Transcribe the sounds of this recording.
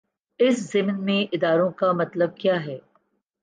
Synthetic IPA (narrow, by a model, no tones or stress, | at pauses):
ɪszɪmnmẽʔɪd̪aːɾõkamɐt̪ləb̚kjaːɦɛː